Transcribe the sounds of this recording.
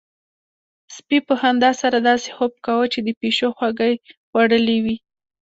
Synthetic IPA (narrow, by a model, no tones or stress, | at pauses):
spipəhand̪ɑsaɾad̪ɑse̥xop̚kawət͡ʃed̪əpeʃoxwaɡəjɣwaɽəlewi